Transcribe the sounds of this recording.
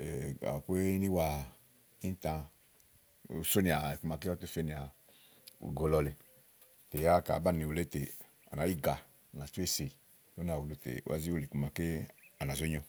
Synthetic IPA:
e˨a̰˨o˨pe˦ni˦wa˧ | i˦n˦tã˧˦ | u˨so˦ni˨a˨ku˦ma˧ke˦ɔ˦to˦fe˦ni˨a̰˨ | ɡo˧lɔ˧le˨ | te˨ja˦ka̰˨ba˦˨ni˨o˨le˦te˨ | a̰˨na˨˦ji˦˨ɡa˨ | na˨t͡ʃu˦e˦˨se˨ | o˦n˦a˨wo˨lo˨tḛ˨ʔa̰˨zi˦wo˦˨li˨ku˧ma˨ke˦a˨na˨zo˦ɲɔ˧

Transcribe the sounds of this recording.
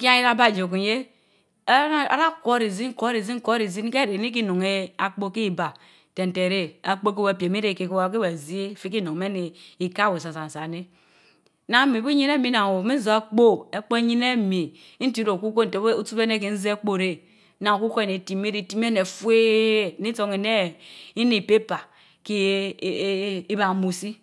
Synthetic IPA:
ki˦a˦i˦ɾa˦ba˦˨d͡ʒo˨ku˨je˦ | a̰˦ɾa˦ko˦ɾi˨zi˦ko˦ɾi˨zi˦ŋ˦ko˦ɾi˨zi˦n˦ke˦˨ɾe˨ni˦k̬i˦no˨ŋe˦a˨k͡po˦ki˦˨ba˨ | te˨n̩˨te˨ɾe˦a˨k͡po˦k̬e˦we˦˨pe˨me˦ɾe˨ke˨ko˦wa˨˦ke˦we˨zi˦e˦˨fi˦ki˦no˨me˦ne˨i˨ka˦˨we˨sa˨sa˨n̩˨sa˨ne˦ | na˨˦mi˨bi˦ɲi˦ne˦mi˦na˨ŋ˨wo˨me˦n˦zo˨a˦k͡po˦e˦k͡po˦e˦ɲi˦ne˦mi˨˦ | n̩˦ti˦ɾo˨ku˦ko˦n̩˨te˨˦u˦tu˦pe˦ne˦k̬e˨n̩˦ze˦e˦k͡po˦˨ɾe˦ | na˨ŋ˨ku˦ko˦˨ne˨ti˨˦me˦ɾe˦ti˦m˦e˦ne˨fwe˦˨ni˦to˦ŋe˨ne˦i˦ni˦˨pe˦pa˨ | ki˦ | i˦ba˨˦mu˨si˦

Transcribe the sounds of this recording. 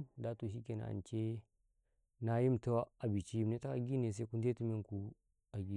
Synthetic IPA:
da˦tu˨ʃi˦ke˨na̰˨a̰˨nt͡ʃe˦ | na˦ji˦mta˦wa˦a˨bi˨t͡ʃi˦i˦mne˦ta˦ka˨ɡi˦ne˨s̬a˦i˦ku˦nde˦tu˦me˦ŋku˦ | a˨ɡi˦˨

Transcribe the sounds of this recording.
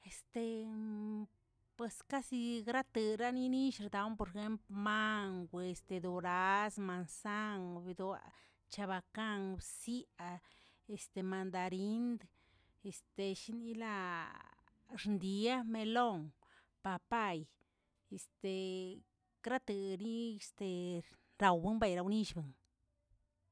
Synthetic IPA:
e˨st̪e˧ | pwe˧ska˦si˧ɡɾa˦t̪ɨ˧ɾa˦ni˦ni˦ʃɾd̪a˨˧wmpo˧ɾe˧xe˦mplma˦ŋɡʷe˧e˨st̪e˧d̪o˨ɾa˦sma˨nsa˦ŋbi˧d̪a̰˨ | t͡ʃa˧βa˧ka˦ŋbsi˦a˧ | e˨st̪e˧ma˧nd̪a˧ɾi˦nd̪ | e˨st̪e˧ʃi˦ni˦la˧ | ɾnd̪i˧a˦me˧lo˦ŋ | pa˧pa˦˧j | e˨st̪e˨ | kɾa˦t̪ɨ˧ni˦e˨st̪e˨ | ɾa˨wbɨ˦mba˧˨jɾa˧wni˦ʃbɨ˨ŋ

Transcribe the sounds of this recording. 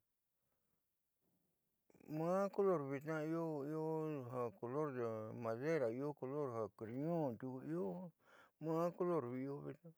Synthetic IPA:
mãː˦ko˦lo˦˨ɾβi˧t̪nã˦i˦o˦i˦o˦ɦa˧ko˨lo˦ɾd̪e˨mã˨ðe˦ɾa˨i˧o˦ko˧lo˦˨ɾɦa˨kɾi˧ɲõ˦˨t̪u˧i˦o˦mãː˦ko˦lo˦˨ɾβi˧o˦βi˧t̪nã˦˧

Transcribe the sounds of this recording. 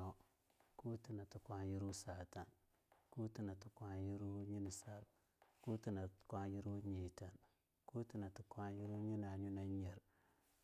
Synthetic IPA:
o˨˦ | ku˦ti˨na˨tu˨kʷa˦ji˦ɾu˦sa˨ta˨n | ku˦ti˨na˨tu˨kʷa˦ji˦ɾu˦ɲi˦ni˨sa˦˨ɾ | ku˦ti˨nḁ˨kwa˦ji˦ɾu˦ɲi˨ta˨n | ku˦ti˨na˨tu˨kwa˦ji˦ɾu˦ɲi˦na˨ɲu˦na˦ɲe˨ɾ

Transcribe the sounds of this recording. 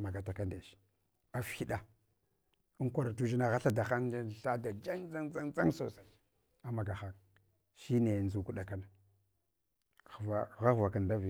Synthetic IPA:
ma˨ɡa˨ta˨ka˦nda˨ʃi̥˨ | a˨fi˦ɗa˨ | u˦ŋkʷa˦ɾa˨tu˦ʒi˦na˦ɣa˦ɬa˦da˨xa˦na˦˨ɬa˦da˨d͡ʒa˦ŋd͡za˦ŋd͡za˦ŋd͡za˦ŋso̰˨sa˨ | a˦ma˨ɡa˨xa˦ŋ | ʃi˦ne˨nzu˨ku˦ɗa˨ka˦na˨ | va˨ɣa˦ɣva˨ka˨nda˦vi˨

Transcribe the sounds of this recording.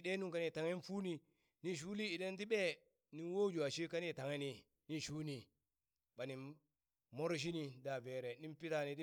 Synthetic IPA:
de˦nu˦ŋka˦ni˨ta˨ŋe˦n˦fu˦ni˨ | ni˨ʃ̬u˦li˦i˨de˦nt̬i˦ɓe˦ | ni˨nwo˦d͡ʒu˨a˨ʃi˦ka˦ni˦˨ta˨ŋe˦ni˨ | ni˦ʃu˦ni˨ | ba˨ni˨ | mo˦ɾʃ̬i˦ni˨da˨ve˨ɾe˨ni˦mpi˦ta˨ni˨di˦

